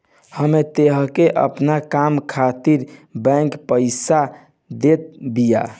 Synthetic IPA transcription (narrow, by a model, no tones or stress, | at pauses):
həmet̪eɦə̃keʔə̰pnakamkʰat̪iɾbɛ̃ŋkpəɪsa | d̪et̪̚bija̰